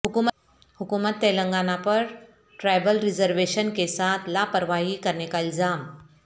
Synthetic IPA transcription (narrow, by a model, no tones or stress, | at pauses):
hukum | hukumət̪ːejləŋɡanapəɾ | ʈɾajbəlɾid͡zəɾʋeɕənkesat̪lapəɾʋaɦiːkəɾɳekaild͡zam